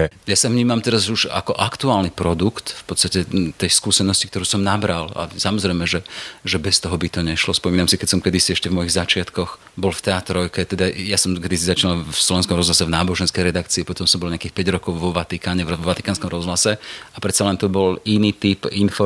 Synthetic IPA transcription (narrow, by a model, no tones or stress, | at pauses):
jasavɲiːmamt̪ɛɾazuʒa̰kɔʔakt̪uaːlnipɾɔd̪ukt̪fpɔt̪st̪acɛt̪ɛjskuːsɛnɔscik̚t̪ɔɾuːsɔmnabɾala̰samɔzɾɛɪmɛʒɛʒɛbɛst̪ɔɦɔbit̪ɔɲɛʃlɔspɔmiːnamsikɛcsɔmkɛd̪isiɛʃcɛvmɔjiɣzat͡ʃɪat̪kɔx | bɔlft̪ɛaːt̪ɾɔkɛt̪ɛd̪ajasɔmkɛd̪isizat͡ʃinalslɔʋɛnskɔmɾɔzlasɛvnaːbɔʒɛnskɛjɾɛd̪akt͡siːpɔt̪ɔmsɔmbɔlɲɪakiːxpɛɟɾɔkɔʊʋɔʋat̪ikaːɲɛvɾɔʋat̪i̥kaːnskɔmɾɔzɦlasɛapɾɛt̪t͡salɛnt̪ɔbɔliniːt̪ipinfɔ